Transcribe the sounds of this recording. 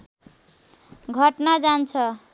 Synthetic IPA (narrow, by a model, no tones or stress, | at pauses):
ɡʱʌʈnad͡zant͡sʰʌ